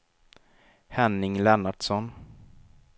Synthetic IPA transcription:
hɛnːɪŋlɛnaɖsɔn

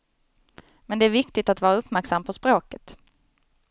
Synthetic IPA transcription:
mɛnd̪ɛæɾvɪkt̪ɪt̪at̪vɑːɾaɵpːmæɾksamːpʰɔspɾoːkət̪

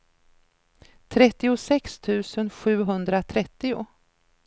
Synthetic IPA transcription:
t̪ʰɾɛt̪ːɪʊsɛkst̪ʰʉ̟ːsənɧʉ̟ːɦɵnd̪ɾat̪ʰɾɛt̪ːɪʊ̰

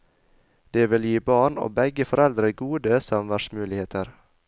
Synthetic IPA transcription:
d̪̥eːʋɪljiːbɑːɳo̰ːbɛɡəfɔɾɛld̪ɾəɡuːd̪əsɑmʋæʃmʉːlɪheːt̪ʰəɾ

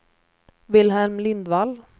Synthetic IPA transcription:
vɪlɦɛlmlɪnd̪val

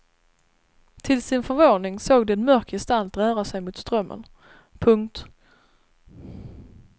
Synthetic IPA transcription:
t̪ʰɪlsɪnfœɾvoːnɪŋsoːɡd̪ɛːnmœɾkjɛst̪alt̪ɾœːɾasɛjmʊːt̪st̪ɾœmːə̰n | pʰɵŋk̚t̪

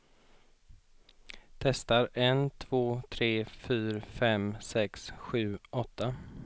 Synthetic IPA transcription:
t̪ʰɛst̪aɾɛnt̪ʰv̥oːt̪ʰɾeːfyːɾfɛmsɛksɧʉ̟ːɔt̪ʰːa

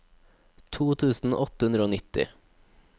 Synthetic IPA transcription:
t̪ʰuːt̪ʰʉːsn̩̰ːʔɔt̪əhʉnd̪ɾoːnɪt̪ɪ̰

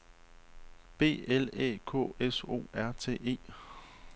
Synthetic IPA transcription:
b̥e̝̰ːelɛ̰ːkʰɔ̰ːeso̝̰ːæɐ̰t͡sʰe̝̰ːʔe̝̰ː

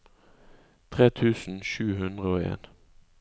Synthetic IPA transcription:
t̪ʰʁeːt̪ʰʉːsn̩ʃʉːɦʉnd̪ʁəoːḛːn

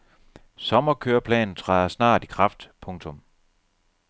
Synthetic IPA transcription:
sɒ̽mɐkʰøːɐpʰlɛ̰ːnn̩t͡sʰʁɑ̈ɪɐsnɑ̰̈ːd̥ikʰʁɑ̈fd̥pʰɔ̽ŋt͡sʰɔ̽m

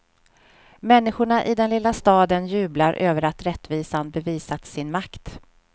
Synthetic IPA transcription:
mɛnːɪɧʊɳaʔɪd̪ɛnlɪlːast̪ɑːd̪ənjʉ̟ːblaɾʔøːvəɾat̪ɾɛt̪ːviːsanbɛviːsat̪sɪnmakt̪

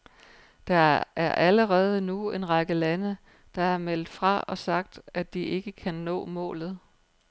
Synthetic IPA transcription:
d̥ɑ̈æɐʔæləʁɛːð̞ˠənue̝nʁɑɡ̥əlænə | d̥ɑ̈æɐmel̰d̥fʁɑ̈ɒ̽sɑ̈ɡ̥̚d̥æd̥iʔe̝ɡ̥əkʰænːɔ̰̽ːmɔ̰̽ːlð̞̩ˠ

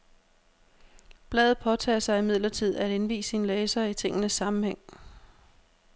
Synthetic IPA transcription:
b̥lɛ̰ːð̩ˠpʰɒ̽t͡sʰɛ̰ːsɑ̈ɪimiðˠlɐt͡sʰið̞̰ˠæd̥e̝nʋḭːsinlɛːsɐit͡sʰe̝ŋ̰ənəsːɑ̈mm̩heŋ̰

